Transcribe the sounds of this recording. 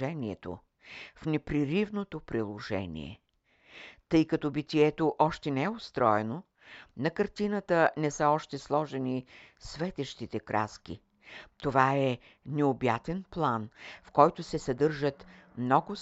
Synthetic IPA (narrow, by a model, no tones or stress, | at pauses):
ɛniɛt̪o̰ | fnɛpɾiɾivnot̪opɾilˠoʒɛ̰nḭɛ̰ | t̪ɤjkɐt̪ɔbit̪iɛt̪oʔɔʃt̪ɛnɛɛost̪ɾɔɛno | nɐkɐɾt̪inət̪ənɛsəɔʃt̪ɛslˠɔʒɛnisvɛt̪ɛʃt̪it̪ɛkɾʔa̰skḭ | t̪ovaɛ | nɛobjat̪ɛnplˠanfkɔjt̪ʊsɛsɐd̪ɤɾʒət̪mnɔɡʊ